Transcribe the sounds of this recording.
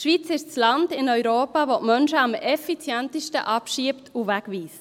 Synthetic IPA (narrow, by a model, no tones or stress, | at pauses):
ʃʋiːt͡sɪʃt͡slɑndɪnœʏɾoːpɑvotmœnʃəɑmɛfit͡sjɛntiʃtə̰ʔɑpʃiːəptʰuvækʋiːs